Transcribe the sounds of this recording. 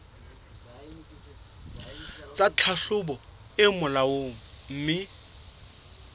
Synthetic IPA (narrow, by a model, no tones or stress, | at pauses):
t͡sʼat͡ɬʰaɬʊbɔ | ɪmʊlawoŋ̩ | m̩ːmɪ